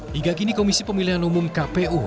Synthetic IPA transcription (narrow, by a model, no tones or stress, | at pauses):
hiɡakinikomisipəmiliɦanumumkapeʔu